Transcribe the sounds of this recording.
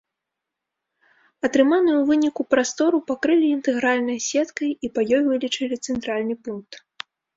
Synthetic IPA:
ɐt̪ɾɨmanujuwvɨnʲikupɾast̪ɔɾupakɾɨlʲiːnt̪ɛɣɾalʲnɐjsʲɛt̪kɐjipajɔjvɨlʲit͡ʂɐlʲit̪sɛnt̪ɾalʲnɨpunk̚t̪

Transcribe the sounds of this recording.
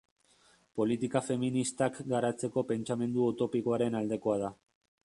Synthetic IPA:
po̞lit̪ikafe̞minist̪akɡaɾat͡se̞ko̞pe̞nt͡ʃame̞nd̪uawt̪o̞piko̞aɾe̞nald̪e̞ko̞að̞a

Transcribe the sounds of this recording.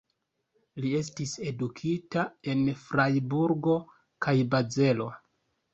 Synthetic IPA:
lie̞s̬tise̞dukʰitae̞nfɾajbuɾɡo̞ | kajbaze̞lo̞

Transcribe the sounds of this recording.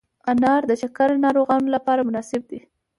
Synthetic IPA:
anɑɾd̪ət͡ʃakaɾnɑɾoɣɑnolapɑɾamʊnɑsɪb̚d̪i

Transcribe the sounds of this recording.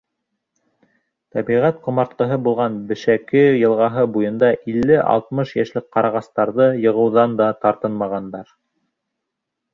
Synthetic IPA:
t̪æbiʁæt̪qŏmɑɾt̪̚qɤ̆ɦɤbulˠʁɑnbɘ̆ʃækɘjɤ̆lˠʁɑɦɤbujɤ̆nd̪ɑʔilːɘʔɑ̰lˠt̪̚mɤʃjæʃlɘk̚qːɑɾɑʁɑst̪ɑɾðɤjɤ̆ʁɤ̆wðɑnd̪ɑt̪ɑɾt̪ɤnmɑʁɑnd̪ɑɾ

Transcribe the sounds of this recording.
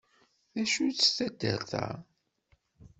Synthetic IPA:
ðæʃut͡sːə̥st̪æd̪ːə̰ɾθæ̰

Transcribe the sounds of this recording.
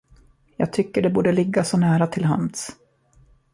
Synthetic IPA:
jɑːɡ̚t̪ʰʏkːəɖɛbuːɖəlɪɡːasɔnæːɾat̪ʰɪlɦa̰ns

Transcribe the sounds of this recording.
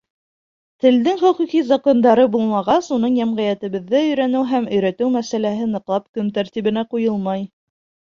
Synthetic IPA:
t̪ɘ̆ld̪ɘŋχɵ̆qiqizɑko̞nd̪ɑɾɤbulˠmɑʁɑsunɤɴjæmʁæjæt̪ɘ̆βɘ̆ðːæɵ̆jɾænɘwɦæmɵ̆jɾæt̪ɘwmæsælæɦɘnɤ̆qlˠɑp̚kɵmt̪æɾt̪iβɘ̆næqujɤlˠmɑj

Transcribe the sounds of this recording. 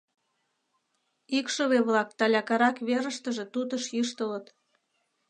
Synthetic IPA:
ikʃoβeβlɑk̚t̪ɑlʲɑkɑɾɑkβeɾə̆ʃt̪əʒe̽t̪ut̪əʃjiʃt̪ələt̪

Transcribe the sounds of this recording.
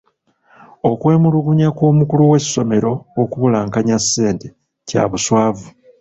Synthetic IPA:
o̞kwe̞ːmuluɡuɲakwo̞ːmukuluwe̞sːo̞me̞ɾo̞ːkuβulaŋkaɲasːe̞ːnte | ca̰βuswaːvu

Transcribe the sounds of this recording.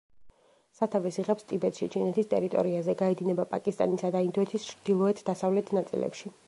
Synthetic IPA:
sat̪ʰavɛsiʁɛpst̪ʼibɛt̪ʃit͡ʃʰinɛt̪ʰist̪ʼɛ̰ɾit̪ʼɔ̰ɾiazɛɡaɛd̪inɛbapʼa̰kʼist̪ʼa̰nisad̪aind̪ɔɛt̪ʰist͡ʃʰɾd̪̥ilˠɔɛt̪ʰd̪asavlɛt̪ʰnat̪sʼḭlɛ̰pʃi

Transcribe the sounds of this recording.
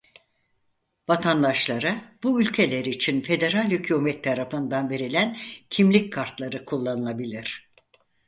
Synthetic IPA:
vat̪ʰand̪aʃlˠaɾabuylʲcʰe̞lʲeɾit͡ʃʰinfe̞d̪e̞ɾalʲhycʰomɛt̪ʰːaɾafɯnd̪anve̞ɾilʲæncʰimlʲic̚kʰaɾt̪lˠaɾɯkʰulˠːanɯlˠabilʲiɾ̥

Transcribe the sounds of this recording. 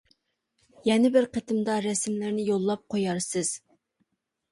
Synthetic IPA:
jɛnɪbɪɾqʰət̪ʰɨmd̪ɑɾɛsɪmlɪɾnɪjolˠːɑp̚qʰojɑɾsɨz̥

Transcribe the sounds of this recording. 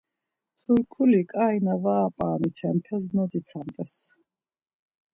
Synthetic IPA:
χuɾkʰulikʼainavaːpʼaːnit̪ʰɛmpʰɛznɔd̪it̪sʰant̪ʼɛs

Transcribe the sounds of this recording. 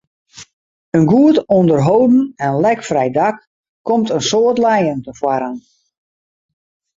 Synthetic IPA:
ənɡuətɔndərɦowdn̩ɛnlɛkfrɛjdak | kːɔmtənsoːtlɛjəntəfwaɾən

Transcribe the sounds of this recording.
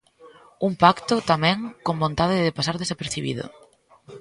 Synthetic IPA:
umpakt̪ʊt̪amɛ̃ŋkõmbõnt̪aðɪðɪpasaɾðesapeɾθiβḭðʊ̰

